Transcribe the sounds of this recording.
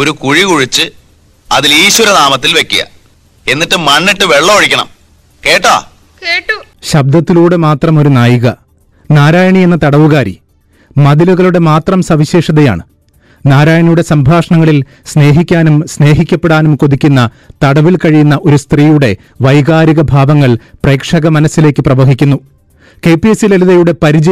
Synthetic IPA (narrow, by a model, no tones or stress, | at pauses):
oɾukuɻikuɻit͡ɕːɨ | ɐðiliːɕwɐɾɐnaːmɐt̪ːilʋekʲːijɐ̰ | e̞nːiʈːɨmɐɳːiʈːɨʋe̞ɭːɐoɻikʲːɐɳɐ̰m | ke̞ːʈːa̰ː | ɕɐb̚d̪ɐt̪ːiluːɽemaːt̪rɐmo̞ɾunaːjiɣɐ | naːɾaːjɐɳienːɐt̪ɐɽɐʋuɣaːɾḭ | mɐðiluɣɐɭuɽe̞maːt̪rɐmsɐʋiɕeːʂɐðeja̰ːɳɨ | naːɾaːjɐɳijuɽe̞sɐmbʱaːʂɐɳɐŋːɐɭil | sne̞ːɦikʲːaːnumsne̞ːɦikʲːɐpːe̞ɽaːnumko̞ðikʲːunːɐ | t̪ɐɽɐʋilkɐɻijunːɐʔo̞ɾust̪riːjuɽe̞ | ʋɐjɣaːɾiɣɐbʱaːʋɐŋːɐɭpre̞ːkʂɐɣɐmɐnɐsːile̞ːkːɨprɐʋɐɦikʲːunːu | ke̞ːpijesileluðɐjuɽe̞pɐɾid͡ʑɐ